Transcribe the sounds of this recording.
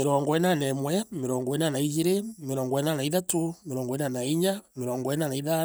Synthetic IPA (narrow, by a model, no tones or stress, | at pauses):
eɾɔŋɡɔɛnanɛmwɛmeɾɔːŋɡɔɛnanaid͡ʒiɾemeɾɔːŋɡɔɛnanaiðatomeɾɔːŋɡɔɛnanaiɲameɾɔːŋɡɔɛnanaiða